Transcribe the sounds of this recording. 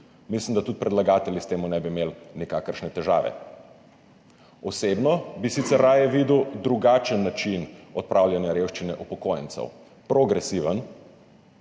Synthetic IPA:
mislimd̪at̪ut̪̚pɾɛd̪laɡaːt̪ɛljist̪eːmunɛbimeːlnikaːkəɾʃnɛt̪ɛʒa̰ːʋɛ̰ | ɔseːbnɔbisit̪sɛɾːaːjɛʋid̪uwd̪ɾuɡaːt͡ʃənːat͡ʃinɔt̪̚pɾaːwlʲjanjaɾewʃt͡ʃinɛʔupɔkojə̰nt̪sɛ̰w | pɾɔɡɾɛsiʋən

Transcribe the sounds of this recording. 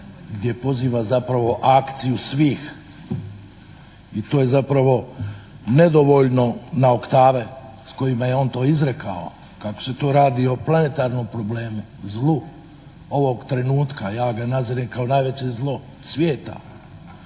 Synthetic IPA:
ɡd̪ʲje̞po̞ziːʋazapɾaʋo̞ʔakt̪sijusʋiːx | it̪o̞ːje̞zapɾaʋo̞ | ne̞d̪o̞ʋo̞ʎno̞nao̞kt̪aːʋe̞ | sko̞jimaje̞o̞ːnt̪o̞ːizɾeka̰o̰ | kako̥se̞t̪oːɾaːd̪io̞plˠane̞t̪aːɾnompɾo̞ble̞ːmu | zlˠu | oʋo̞ɡt̪ɾe̞nuːt̪kajaːɡanaziɾemkao̞naːjʋe̞t͡ɕe̞zlˠo̞ | sʋjeːt̪a̰

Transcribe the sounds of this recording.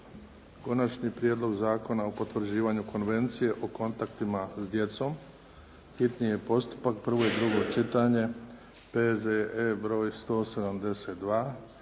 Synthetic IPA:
ko̞nat͡ʃɲipɾjed̪lo̞ɡzaːko̞naopo̞t̪ʋr̩d͡ʑiːʋaɲuko̞nʋe̞nt̪sije̞ʔoko̞nt̪akt̪imazd̪je̞t̪so̞m | xit̪nije̞po̞st̪u̥pak̚pr̩ʋo̞jid̪ɾuɡo̞t͡ʃit̪aɲe̞ | pezeebɾo̞ːjst̪o̞ːse̞d̪amd̪e̞se̞t̪̚d̪ʋaː

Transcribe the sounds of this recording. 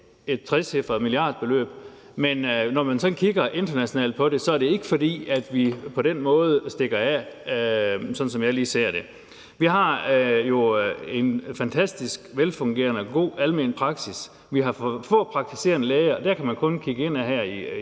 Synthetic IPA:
e̝d̥̚t͡sʰʁɛshefd̥ɐðˠmiliɑ̰̈ːd̥ˠb̥e̝lø̰ːb̥ | menːɒmænsɒ̽nkʰiɡ̥ɐʔe̝nd̥ɐnæɕonɛ̰ːld̥̚pʰɒ̽ɾe̝sɒ̽æɐɾ̥e̝e̝ɡ̥əfɒ̽dḭːæd̥ʋipʰɒ̽d̥enmɔ̽ːð̞̩ˠəsd̥e̝ɡ̥ɐæ | sɒ̥̽n̩sɒ̽mjɑ̈ɪliːse̝̰ːɐ̰d̥e̝ | ʋiɦɑ̈jo̝e̝nfænt͡sʰæsd̥isɡ̥ʋelfɔ̽ŋɡ̥e̝̰ːɐnəɡ̥o̝̰ːælme̝̰ːnəpʰʁɑ̈ɡ̥sis | ʋiɦɑ̈fɔ̰̽pʰʁɑ̈ɡ̥̚t͡sʰi̥se̝̰ːɐnəleːɪɐd̥æɐ̰kʰæmænkʰɔ̽nkʰiɡ̥əe̝n̰æɦæɐ̰i

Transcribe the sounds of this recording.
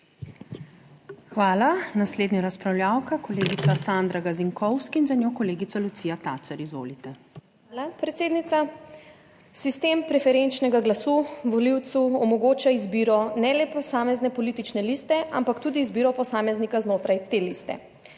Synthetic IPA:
xʋaːlanasleːd̪nʲaɾaspɾawljaːwkakɔleːɡit̪sasand̪ɾaɡaziŋkɔwskiiːnzanjoːkɔleːɡit̪alut̪siːjat̪aːt̪saɾizʋo̰ːlit̪ɛ | alapɾɛt̪seːd̪nit̪sa | sist̪empɾɛfɛɾent͡ʃnɛɡaɡlasuʋɔliwt̪suɔmɔɡoːt͡ʃaizbiːɾɔnɛlɛpɔsaːmɛznɛpɔlit̪it͡ʃnɛlist̪ɛʔampakt̪uːd̪iːzbiːɾɔpɔsaːmɛznikaznoːt̪ɾajt̪elist̪ɛ̰

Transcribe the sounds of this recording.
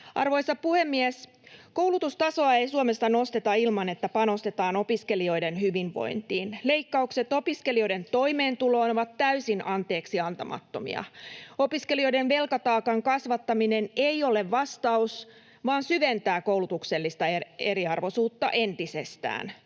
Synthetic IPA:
ʔɑ̰rʋo̞jsɑpuhemːiæs | ko̞wlut̪ust̪ɑsoɑejsuomest̪ːɑno̞st̪et̪ɑilmɑne̞t̪ːæpɑno̞st̪e̞t̪ɑːno̞piske̞lio̞jdenhyʋiɱʋo̞̰jnt̪iːnle̞ikːɑukse̞t̪o̞piskelio̞ide̞nt̪o̞ime̞ːnt̪ulo̞ːnoʋɑt̪tæysinʔɑnt̪e̞ːksiɑnt̪ɑmɑ̰t̪ːo̞mḭɑ̰o̞piskelio̞jdenʋe̞lkɑt̪ɑːkɑŋkɑsʋɑt̪ːɑmineneio̞le̞ʋʋɑst̪ɑus | ʋɑːnsyʋent̪æːkowlut̪ukselːist̪ɑeeɾiɑrʋo̞suːt̪ːɑ̰ʔe̞nt̪isest̪æ̰ːn

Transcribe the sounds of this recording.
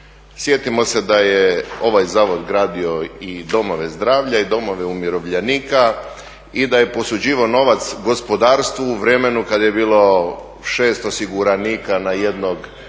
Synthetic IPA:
sje̞t̪imo̞se̞d̪ajeo̞ʋajzaːʋo̞d̪ɡɾaːd̪io̞id̪o̞mo̞ʋe̞zd̪ɾaːʋʎaid̪o̞mo̞ʋe̞umjiɾo̞ʋʎeniːka | id̪aje̞po̞sud͡ʑiːʋaono̞ʋat̪sɡo̞spo̞d̪aːɾst̪ʋuːʋɾe̞me̞nukad̪aje̞biːlˠo̞ | ʃe̞ːst̪osiɡuɾaniːkanaje̞d̪noɡ

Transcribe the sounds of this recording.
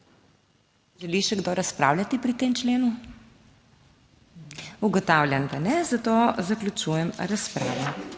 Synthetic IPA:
ʒɛliʃɛɡd̪oɾaspɾa̰wlʲat̪ipɾit̪eːmt͡ʃleːnu | uɡɔt̪awlʲjand̪anɛzat̪ozaklʲjut͡ʃujɛmɾaspɾa̰ːʋɔ

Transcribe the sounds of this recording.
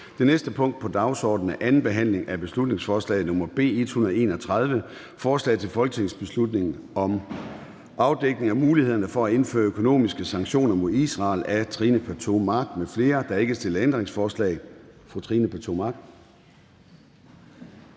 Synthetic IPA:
d̥e̝nesd̥əpʰɔ̽ŋ̰d̥̚pʰɒ̽d̥ɑ̈ʊsɒ̰ːd̥n̩æʔænn̩b̥e̝ɦæn̰le̝ŋʔæb̥e̝slud̥ne̝ŋsfɒːslɛ̰ɪð̩ˠnɔ̽mɐb̥e̝̰ːe̝d̥hunɐð̩ˠe̝̰ːnɒt͡sʰʁɑð̞ˠʋə | fɒːslɛ̰ɪt͡sʰelfɒ̽lɡ̥ət͡sʰe̝ŋsb̥e̝slud̥ne̝ŋn̩ɒ̽m | ʔɑ̈ʊd̥eɡ̥ne̝ŋɒmuːlihe̝ð̰ˠɐnɐfɒ̽æe̝nfø̰ːɐøkʰo̝no̝̰ːmisɡ̥əsɑ̈ŋɕo̝̰ːnɐmo̝ðˠisʁɑ̈ːlæt͡sʰʁiːnəpʰæt͡sʰo̝mɑ̈ɡ̥mefle̝ːɐd̥ɑ̈e̝ɡ̥əsd̥e̝lɐend̥ʁeŋsfɒːslɛ̰ɪfʁut͡sʰʁiːnəpʰæɐt͡sʰo̝mɑ̈ɡ̥̚

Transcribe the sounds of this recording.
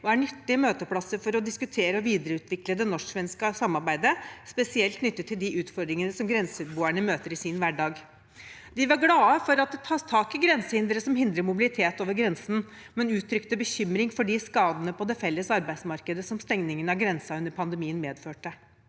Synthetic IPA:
ɔæɳʏt̪ːɪmøːt̪əpʰlɑsːəɾfɔɾɔd̪ɪskʉt̪ʰeːɾəɔʋiːd̪əɾəʉːt̪ʰʋɪkləd̪ɛnɔʂʂʋɛnskəsɑmːɑɾbæɪd̪əspɛsɪɛlt̪nʏt̪ːət̪ʰːɪld̪ɪʔʉːt̪fɔɾd̪ɾɪŋənəsɔmɡɾɛnsʉt̪̚buːæɳəmøːt̪əɾɪsinʋæɖɑːɡ | d̪ɪʋɑɾɡlɑːəfɔɾɑt̪̚d̪ɛt̪ʰɑːst̪ʰɑːkɪɡɾɛnsəhɪnd̪ɾəsɔmhɪnd̪ɾəmʊbɪlɪt̪ʰeːt̪oːʋəɾɡɾɛnsn̩ | mɛnʉːt̪ʰɾʏkt̪əbəçʏmɾɪŋfɔɖɪskɑːd̪ənəpɔd̪ɛfɛlːəsɑɾbæɪd̪smɑɾkəd̪əsɔmst̪ɛŋnɪŋənɑɡɾɛnsɑʉnəɾpʰɑnd̪ɛmiːənmeːd̪føːʈə

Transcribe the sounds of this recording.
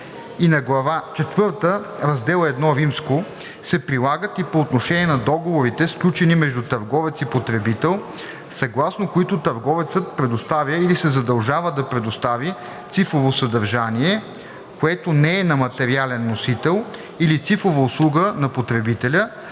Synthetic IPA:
inɐɡlˠɐvat͡ʃɛt̪vɤɾt̪əɾɐzd̪ɛlˠəɛd̪nɔɾimsko | sɛpɾilˠaɡət̪ipoːt̪noʃɛniɛnɐd̪ɔɡovoɾit̪ɛsklʲut͡ʃɛnimɛʒd̪ut̪ɐɾɡɔvɛt̪sipot̪ɾɛbit̪ɛlˠ | sɐɡlˠasnokoit̪ot̪ɐɾɡɔvɛt̪sət̪̚pɾɛd̪ost̪avʲjəilisɛzɐd̪ɐlˠʒavəd̪ɐpɾɛd̪ost̪avi | t̪sifɾovosɐd̪ɐɾʒaniɛ | koɛt̪onɛɛnɐmɐt̪ɛɾialɛnːosit̪ɛlˠ | ilit̪sifɾovəʊslˠuɡənɐpot̪ɾɛbit̪ɛlʲə

